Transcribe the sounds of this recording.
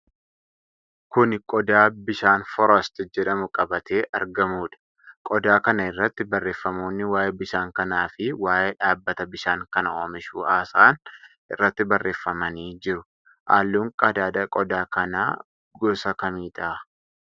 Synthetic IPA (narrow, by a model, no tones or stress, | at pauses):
kʊnkʼɔd̪aːbɪʃaːnfɔɾɐst̪ɪd͡ʒɛᶑɐmʊkʼɐbɐt̪e̞ːʔɐ̰ɾɡɐmuːᶑɐ̥ | kʼɔd̪aːkɐnɐɪrːɐt̪ːɪbɐrːe̞ːfːɐmo̞ːnːɪwaːjebɪʃaːŋkɐnaːfɪwaːjʔeːᶑaːbːɐt̪ɐbɪʃaːŋkɐnɐoːmɪʃuːaːsaːn | ʔɪ̰rːɐt̪ːɪbɐrːʔe̞ːfːɐmɐniːd͡ʒɪɾʊ | ʔa̰ːlːuːŋkʼɐd̪aːd̪ɐkʼɔd̪aːkɐna̰ː | ɡɔsɐkɐmiːt̪ʼaː